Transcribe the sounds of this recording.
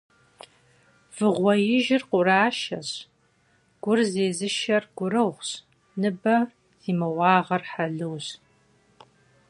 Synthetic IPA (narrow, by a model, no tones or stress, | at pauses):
v̥ɨʁʷɔjɪʒɪrqʷʊraːʃɐɕ | ɡ̥ʷʊrzeːzɨʃɐrɡʷʊrɨʁʷɕ | nɨbɐ | z̥iːmɐwɑːʁɐrħaɮɨwɕ